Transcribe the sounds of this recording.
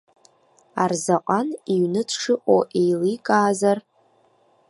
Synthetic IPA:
arzaqʷʼaniɥnɨtʰʂɨʔʷʼoʔejlikʼaːzar

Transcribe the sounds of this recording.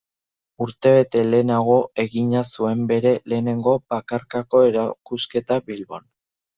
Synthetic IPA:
uɾt̪e̞βe̞t̪e̞le̞naɣ̞o̞e̞ɣiɲasue̞mbe̞ɾe̞le̞ːne̞ŋɡo̞bakaɾkako̞e̞ɾakuske̞t̪aβilβo̞̰n

